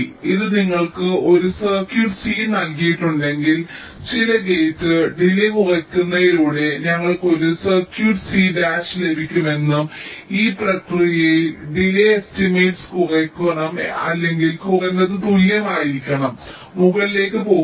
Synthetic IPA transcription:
iðɨniŋːɐɭkɨo̞ɾusɐrkjuːʈsiːnɐlkijiʈːuɳɖe̞ŋɡil | t͡ɕilɐɡejt̪ːɨɖilekurɐkʲːunːɐðiluːɽe̞ɲɐŋːɐɭko̞ɾusɐrkjuːʈsiɖaːʂɨle̞bʱikʲːume̞nːumiːprɐkrijɐɖilɐjestimeːʈskurɐkʲːɐɳɐmɐ̰lːe̞ŋɡilkuenːɐðɨt̪uljɐmaːjiɾikʲːɐɳɐmː | uɣɐlile̞ːkːɨpo̞ː

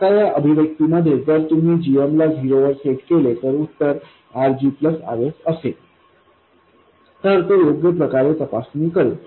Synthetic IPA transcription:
kajaʔəbʱiʋjək̚t̪iməd̪ʱjet̪əɾt̪um̤iːd͡ʑiemlad͡zʱiɾoʋəɾseʈkelet̪əɾut̪ːəɾ | aɾd͡ʑipləsa̰ʋesəse | t̪əɾt̪ojoɡjəpɾəkaɾet̪əpasniːkəɾe

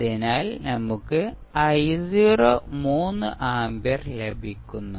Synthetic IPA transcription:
inaːlnɐmːukːɨ | ɐjziːroːmuːnːɨʔaːmbjɐrlebʱikʲːunːu

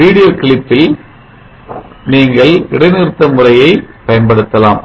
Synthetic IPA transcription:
ʋiːɽɪjoːkɪɭɪpːɪl | niːŋɡɐɭɪɽɐɪnɪɾt̪ːɐmɯrɐjɐɪpɐjɐnpɐɽɯt̪ːɐlaːm

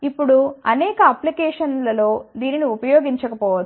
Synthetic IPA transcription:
ipːuɽuɐnɛːkɐɐplikɛːʂɐnlɐlo̞ːd̪iːniniupɐjoːɡiɲt͡ʃɐkɐpɔːʋɐ

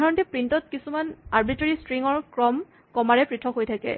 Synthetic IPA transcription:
aɹɔntɛpɹintɔtkisumanaɹbiteɹistɹiŋɔɹkɹɔm | kɔmaɹɛpɹitʰɔkɦojtʰakɛ̰

